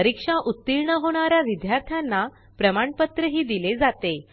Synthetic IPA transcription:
əɾikʂaʔut̪ːiɾɳəɦoɽ̃aɾjaʋid̪jaɾt̪ʰjanːa | pɾəmaɳpət̪ɾəɦiːd̪iled͡zat̪e

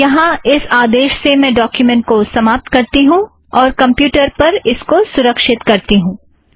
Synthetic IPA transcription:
jɐɦãɪsaːd̪eːʃsemɛ̃ːɖɔːkjumɛ̃ːɳʈ̚kosɐmaːp̚t̪̚kɐɾt̪iɦũ | ɔːɾkɐ̃mpjuːʈəɾpɐɾɪskosʊɾəkʃɪt̪kɐɾt̪iɦũː

